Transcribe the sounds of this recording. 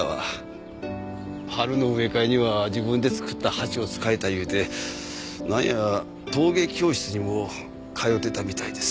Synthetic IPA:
a̰ | haɾɯ̟no̞ɯ̟e̞kaeɲ̟iβad͡ʑibɯ̃nd̪e̞t͡sɨ̥kɯ̟t̪ːahat͡ɕio̞t͡sɨ̥kae̞t̪ajɯ̟ːt̪e̞ | nãɰ̰̃jaɾa | t̪o̞ːɡe̞kʲo̞ːɕi̥t͡sɨɲ̟imo̞ | kʰajo̞t̪ːe̞t̪amʲit̪aid̪e̞s

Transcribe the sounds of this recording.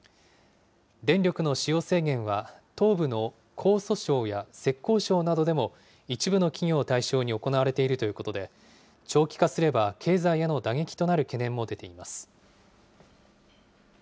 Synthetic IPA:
d̪ẽ̞nɾʲo̞kɯ̟no̞ɕijo̞ːse̞ːɡẽ̞ɰ̃βat̪o̞ːbɯ̟no̞ | kʰo̞ːso̞ɕo̞ːjase̞kːo̞ːɕo̞ːnad̪o̞d̪e̞mo̞ | it͡ɕibɯ̟no̞kʲiɲʲo̞ːt̪aiɕo̞ːɲ̟io̞ko̞naβaɾe̞t̪e̞iɾɯ̟t̪o̞jɯ̟ko̞t̪o̞d̪e̞ | t͡ɕo̞ːkʲi̥kasɨɾe̞bakʰe̞ːzaijano̞d̪aɡe̞kʲi̥t̪o̞naɾɯ̟ke̞nẽ̞mːo̞d̪e̞t̪e̞imasɨ̥

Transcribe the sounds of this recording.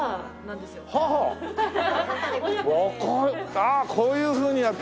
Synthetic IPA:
haɦa | akʰoakʰoːjɯ̟ːɸɯ̟ːɲ̟ijat̪ː

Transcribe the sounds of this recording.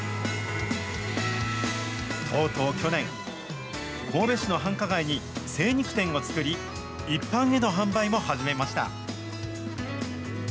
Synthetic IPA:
t̪ʰo̞ːt̪o̞ːkʲo̞nẽ̞ŋ | ko̞ːbe̞ɕino̞ɦãŋkaɡaiɲ̟ise̞ːɲ̟ikɯ̟̥t̪ẽ̞ŋo̞t͡sɨ̥kɯ̟ɾʲi | ipːãɰ̃e̞no̞ɦãmbaimo̞haʑime̞maɕi̥t̪a̰

